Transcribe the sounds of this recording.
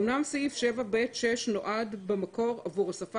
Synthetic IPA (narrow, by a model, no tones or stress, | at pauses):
mnamsaifʃevabetʃeʃno̞ʔad̪bemako̞ʁavuʁasaf